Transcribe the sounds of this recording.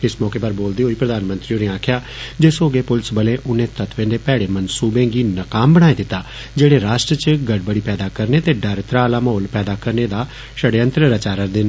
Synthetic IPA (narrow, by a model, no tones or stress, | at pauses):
ɪsmɔːkeːpəɾboːld̪eːɦoːiːpɾəd̪aːnmə̃nt̪ɾiːõːneːaːkʰjaː | d͡ʒeːsoːɡeːpʊlsbəleːʔʊnẽːt̪ət̪ʰʋẽːd̪eːpɛːɽeːmənsuːbẽːɡiːnəkaːmbəɽ̃aːed̪ɪt̪ːaː | d͡ʒeːɽeːɾaːʃʈɾət͡ʃɡəɖ̚bəɽiːpɛːd̪aːkəɾneːt̪eːɖəɾt̪ɾaːlaːmɦoːlpɛːd̪aːkəɾneːd̪aː | ʃəɽeːə̃nt̪ɾəɾət͡ʃaːɾəɾd̪en